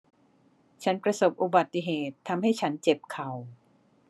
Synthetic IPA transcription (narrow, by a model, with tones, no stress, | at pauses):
t͡ɕʰa˦˥npɾa˧so˨˩p̚ʔu˨˩ba˨˩t̪ːi˨˧˩ɦeː˨˩t̪ʰːa˧mɦa˥˩jt͡ɕʰa˦˥nt͡ɕe˨˩p̚kʰa˨˩w